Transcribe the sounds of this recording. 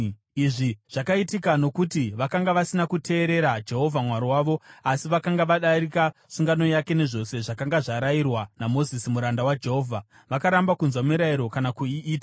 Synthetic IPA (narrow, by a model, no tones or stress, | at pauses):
iʐiʐ̥akaitikano̞kutiʋakaŋɡaʋasinakutʰe̞ːɾe̞ɾad͡ʒe̞ɦo̞vʱamwaɾiwaːʋo̞asiʋakaŋɡaʋaɗaɾikasuŋɡano̞jake̞ne̞ʐo̞se̞ʐakaŋɡaʐaɾairwanamo̞zisimuɾandawad͡ʒe̞ɦo̞ːvʱa | ʋakaɾambakunzwamiɾaiɾo̞kanakuiʔiːtḁ